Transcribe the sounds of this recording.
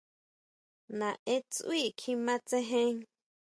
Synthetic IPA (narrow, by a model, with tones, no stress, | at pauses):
nã˨ʔe˦t͡sʔwi˦˨kʰĩ˧˦mã˦t͡sẽ˦ɦẽ˦